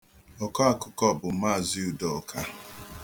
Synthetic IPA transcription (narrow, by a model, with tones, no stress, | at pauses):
ɔ˨ka˦a˨kʊ˦˨kɔ˦˨bʊ˨ma˦˨zi˦u˨dɔ˨ɔ˨kʰa˦